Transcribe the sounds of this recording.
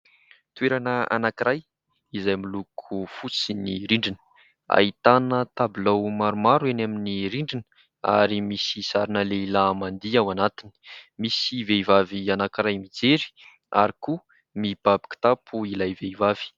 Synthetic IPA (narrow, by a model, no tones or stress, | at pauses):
t̪uweɾanəa̰nakiɾaj | izajmilukʰufut͡siniɾiɳɖ͡ʐinə̥ | a̰it̪anət̪abilawmaɾumaɾuanaminiɾiɳɖ͡ʐinə̥ | a̰ɾimisisaɾinəleilamand̪iawanat̪ini̥misiveivavianakiɾajmid͡zeɾi̥ | a̰ɾiku | mib̥abi̥ki̥t̪apʰuilajveivav̥i̥